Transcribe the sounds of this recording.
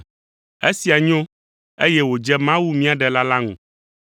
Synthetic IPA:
e˦si˨a˨ɲõ˦ | e˦jɛ˦wo˨d͡ʒɛ˦mã˦wu˦mĩ˦a˨ɖɛ˨la˦la˦ŋṵ̃˨

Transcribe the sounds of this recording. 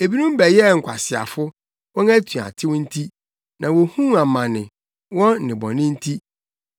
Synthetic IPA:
e˨bi˦nũ˦m˦bæ˨jɛ˦˨ŋ̩˨kʷʰa̰˨sɪ˨a̰˨fʊ˦ | wɔ̃˦næ˦tʰũ˨a̰˨tʰɪ˦wn̩˦tʰi˦ | nã˨wo˨hũ˦a˨mã˨nɪ̃˨ | wɔ̃˦˨nɪ̃˨bɔ̰̃˨nɪ̃˦n̩˦tʰi˦

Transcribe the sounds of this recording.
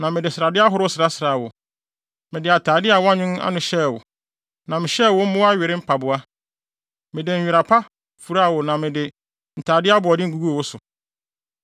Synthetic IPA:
nã˨mɪ̃˨dɪ˨sɪ˨ɾa˨dɪ˦a˦ɦʊ˦ɾʊ˦sɪ˨ɾa˦sɪ˨ɾaː˨wʊ˨ | mɪ̃˨dɪ˨a˨tʰaː˨dɪ˦a˨wa˦ɲʊ̃˦n˦a̰˦nʊ̃˨ɕɛ˦˨wʊ̰˨ | nã˨mɪ̃˨ɕɛ˦˨wʊ̃˦m̩˦mʊ̃˦a˦ɥɪ˨ɾɪ˦m̩˦pʰa˨bʊ˨a˦ | mɪ̃˨dɪ˨ɲ̩˨ɥᶣɪ˨ɾa˨pʰa˦ | fu˨ɾa˦˨wʊ˨nã˨mɪ̃˨dɪ˨ | n̩˨tʰaː˨dɪ˦a˦bʊ˨ɔ˨dɪ˦ŋ̩˨ɡu˦ɡu˦o˨wʊ˦sʊ˨

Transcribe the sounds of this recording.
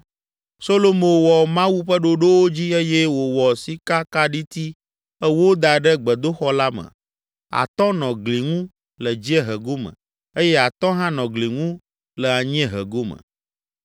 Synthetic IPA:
so˦lo˦mo˨wɔ˨mã˦wu˦ɸə˦ɖo˦ɖo˦wo˦d͡ʑi˦e˦jɛ˦wo˨wɔ˨si˦ka˦ka˦ɖi˦t̪i˦ | ɛ˦wo˦d̪a˨ɖɛ˦ɡ͡bɛ˨d̪o˦xɔ˦la˦mɛ̰̃˨ | a̰˨t̪ɔ̃˦nɔ̃˨ɡli˨ŋũ˦ | lə˨d͡ʑi˦ɛ˦ɦə˨ɡo˦mɛ̰̃˨ | e˦jɛ˦a˨t̪ɔ̃˦ɦã˦nɔ̃˨ɡli˨ŋũ˦ | lɛ˨a˨ɲĩ˦ɛ˦ɦə̰˨ɡo˦mə̰̃˨

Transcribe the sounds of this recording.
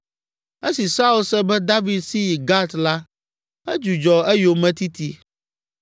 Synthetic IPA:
ɛ˦si˨sa˦u˦lsɛ˦bɛ˦d̪a˦vi˨d̪si˦˨ɡa˦t̪la˦ | ɛ˦d͡ʒu˨d͡ʒɔ˨ɛ˦jo˨mɛ̃˦t̪i˦t̪i˦

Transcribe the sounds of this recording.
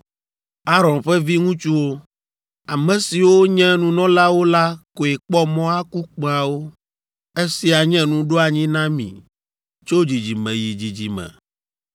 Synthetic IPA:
a˦ɾɔ˨nɸɛ˦vi˦ŋũ˦t͡ʃu˦wo˦ | a˨mɛ̃˨si˨wo˦ɲɛ̃˦nũ˨nɔ̃˦la˦wo˦la˦ko˨e˨k͡pɔ˦mɔ̃˦a˦ku˦k͡pa˨wo˦ | e˦si˨a˨ɲɛ̃˦nũ˦ɖo˦a˨ɲĩ˦nã˦mḭ̃˨ | t͡ʃo˦d͡ʑi˨d͡ʑi˨mɛ̃˨ji˨d͡ʑi˨d͡ʑi˨mɛ̰̃˨

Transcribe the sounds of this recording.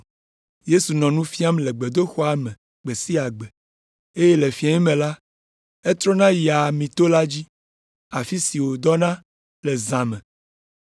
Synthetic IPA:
je˦su˨nɔ̃˨nũ˦fi˦a˦mle˨ɡ͡be˨d̪o˦xɔ˦a˨mẽ˨ | ɡ͡be˨si˦a˨ɡ͡be˨ | e˦je˦le˨fi˦a˨ɲi˦mẽ˨la˦ | e˦t̪ɾɔ˦nã˦ja˨mĩ˨t̪o˦la˦d͡ʑi˦ | a˨fi˦si˨wo˨d̪ɔ˦nã˦ | lɛ˨zã˨mɛ̃˨

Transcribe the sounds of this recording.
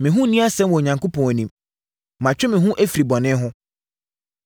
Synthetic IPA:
mɪ̃˨ɦũ˦nĩ˦a˦sɛ̃˦mwɔ˨ɲã˨ŋko˦pʰɔ̃˨æ˨nĩ˨m | mã˨t͡ɕᶣɪ˦mɪ̃˨ɦũ˦ʔæ˦fi˨ɾi˨bɔ˨nɪ̃˦ɦʊ̃˦

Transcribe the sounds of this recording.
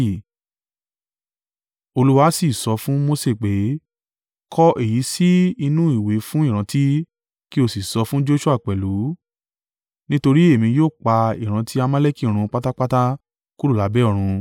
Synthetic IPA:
o˧lu˦wa˧˦si˨sɔ˧fũ˦mo˦se˦˨k͡pe˨˦ | kʰɔ˦ʔe˦˨ji˨˦si˦i˧nũ˦i˦˨we˨˦fũ˦i˦˨ɾ̃ã˨˧˦ti˦ | ki˦o˦˨si˨sɔ˧fũ˦d͡ʒo˦ʃu˦a˦˨k͡pɛ˨lu˨˦ | nĩ˦to˧ɾi˦e˦˨mĩ˧joː˦˨k͡pa˧ḭ˦˨ɾ̃ã˧tʰi˦a˧mã˦le˦ki˦˨ɾ̃ũ˧k͡pa˦ta˦k͡pa˦ta˦ | ku˦ɾu˦˨la˨˦bɛ˦ɔ˦˧˨ɾ̃ũ˧

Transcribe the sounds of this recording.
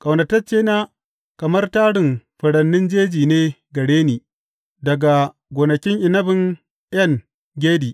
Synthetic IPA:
kʼɐ˨wnɐ˨tɐ˦t͡ʃeː˦naː˦ | kɐ˨mɐ˦rtaː˦ɽɪ˨mɸɐ˨ɽɐ˨nːɪ˦nd͡ʒeː˦d͡ʒiː˨neː˦ɡɐ˨ɽeː˦niː˨ | dɐ˨ɡa˨ | ɡoː˨nɐ˨kʲɪ˦ŋʔɪ˨nɐ˦bɪ˨ŋ | ʔjɐ˦ŋ | ɡʲeː˦diː˨ʔ

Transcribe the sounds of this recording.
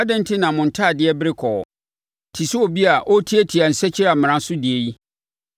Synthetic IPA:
a˦dɪ̃˦n̩˦tʰɪ˦nã˨mʊ̃˨n̩˨tʰa˦˨dɪ˦ɛ˦bɪ˦ɾɪ˦kʰɔ˨ | tʰi˨su˦o˨bi˦a˨ʔɔ˦tʰi˦ɛ˦tʰi˨a˨n̩˨sɛ˦t͡ɕʰi˦ɾa˨mɪ̃˨ɾã˦sʊ˦dɪ˨e˨ji˦

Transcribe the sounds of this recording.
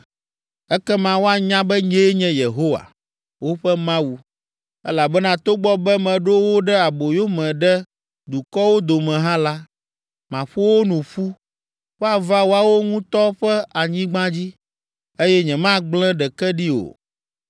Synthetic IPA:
ɛ˦kɛ˦mã˦wo˦a˨ɲã˦bɛ˦ɲɛ˦ɲɛ̃˦je˨ɦo˦wa̰˨ | wo˦ɸɛ˦mã˦wu˨ | ɛ̰˦la˨bɛ˦nã˦t̪o˦ɡ͡bɔ˦bɛ˦mɛ̃˨ɖo˦wo˦ɖɛ˦a˨bo˨jo˦mɛ̃˨ɖɛ˦ | d̪u˨kɔ˦wo˦d̪o˨mɛ̃˨ɦã˦la˦ | mã˨ɸo˦wo˦nũ˨ɸu˦ | ɸɛ˦a˦˨va˦wo˦a˦wo˦ŋũ˦t̪ɔ˦ɸɛ˦a˨ɲĩ˦ɡ͡bã˦d͡ʑi˦ | e˦jɛ˦ɲɛ̃˨mã˦ɡ͡blɛ̃˦ɖɛ˨kɛ˦ɖi˦o̰˨

